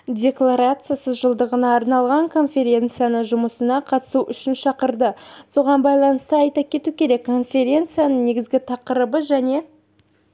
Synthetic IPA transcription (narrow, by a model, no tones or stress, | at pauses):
dʲe̞klˠaɾat̪sɨjasəzʒəlˠd̪əʁənɑːɾnɑlˠʁɑɴkʰo̞nfʲe̞ɾʲe̞nt̪sɨjanəʒʊməsənɑqʰɑt̪ə̥suʔʏʃɪnʃɑqəɾd̪əso̞ʁɑnbɑjlˠɑnəst̪əɑjt̪ɑp̚kʲʰe̞t̪ukʲʰe̞ɾe̞kːʰo̞nfʲe̞ɾʲe̞nt̪sɨjanəɴne̞ɡʲɪzɡʲɪt̪ʰɑqəɾəbəʒæne̞